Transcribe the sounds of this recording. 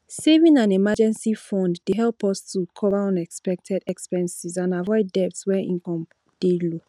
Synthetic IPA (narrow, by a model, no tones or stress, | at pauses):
sevĩŋãnemad͡ʒɛ̃nsifɔ̃ndːeɦɛlˠpɔstʰukʰɔvaɔ̃nɛkspɛk̚tʰɛdɛkspɛ̃nsizãnavɔɪdɛp̚tswɛ̃nḭ̃nkɔ̃m | d̥elo